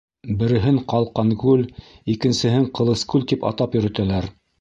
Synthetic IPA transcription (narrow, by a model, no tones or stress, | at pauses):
bɘ̆ɾɘ̆ɦɘɴqɑlˠqɑŋɡʉlikɘ̆nsɘ̆ɦɘɴqɤ̆lˠɤ̆skʉlʲt̪ipɑ̰t̪ɑpjɵ̆ɾɘ̆t̪ælæɾ